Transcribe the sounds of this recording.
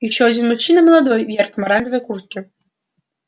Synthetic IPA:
iɕɔɐd͡zʲinmut͡ɕːinɐmɐlˠad̪ɔjvʲjɛrkmɐɾamʲbʲivɐkurt̪̚kʲi

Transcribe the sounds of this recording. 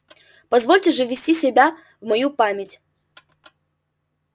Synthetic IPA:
pɐzvolʲtʲɪʐɨvʲɪsʲtʲisʲɪbʲa | vmɐjupamʲɪtʲ

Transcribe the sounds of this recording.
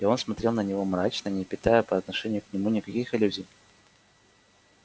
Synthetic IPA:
ɪo̞nsmɐt̪ɾʲe̞lˠnənʲɪvo̞mɾat͡ɕnənʲɪpʲɪt̪ajəpəɐt̪nɐʂɛnʲɪjʊknʲɪmunʲɪkɐkʲixɪlʲuzʲɪj

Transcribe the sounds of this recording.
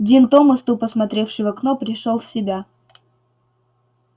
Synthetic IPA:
dʲint̪omɐst̪upəsmɐt̪ɾʲe̞fʂɨjvɐknopɾʲɪʂolˠfʲsʲɪbʲa

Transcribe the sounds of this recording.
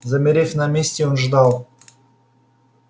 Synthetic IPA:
zɐmʲɪɾʲefʲnamʲesʲtʲeonʐd̪ɑlˠ

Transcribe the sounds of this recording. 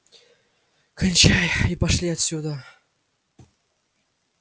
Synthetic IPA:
kənʲt͡ɕajipɑʂlʲiat̪sʲud̪ə

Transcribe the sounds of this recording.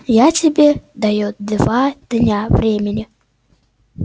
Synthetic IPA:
jatʲɪbʲed̪ajud̪vad̪̥nʲavɾʲemʲɪnʲɪ

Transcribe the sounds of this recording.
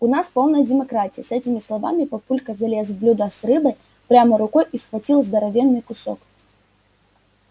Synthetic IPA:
unaspɔwnɐjɐd͡zʲɛmakɾat͡sʲijɐsɛt͡sʲimʲislˠava̰mʲipɐpulʲkɐzɐlʲɛs̬blʲud̪ɐsrɨbɐj | pɾʲamɐɾʊkɔjisxvat͡sʲilˠzd̪ɐɾavʲɛnːɨjkʊsɔ̰k

